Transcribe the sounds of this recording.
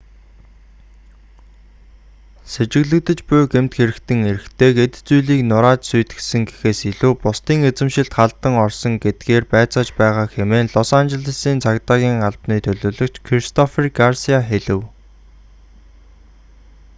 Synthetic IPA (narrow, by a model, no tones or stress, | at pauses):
set͡ɕɪ̆ɣɮɘ̆k̚t̪ɘ̆t͡ɕpʊːɡem̥t̪xeɾɘ̆kt̪ɘ̆ŋeɾɘ̆xt̪ʰeːɡet̪t͡sujɮiːknʊɾaːt͡ɕsujt̪ɡɘ̥̆sɘ̆ŋɡe̥xeːsiɮuːpʊst̪iːŋet͡sɘ̆mʃɪ̆ɬt̪χaɮt̪ə̆ŋɔrsɞ̆ŋɡet̪̚ɡ̥eːrpæːt͡sɔːt͡ɕpæːʁaːxemeːnɮʊsant͡ɕɪ̆ɮə̆siːnt͡sʰakt̪aːɣʲiːŋaɮpniːt̪ʰɵɮoːɮɵ̆kt͡ɕkʰrist̪ʰɔferɡarsiaxeɮɘ̆w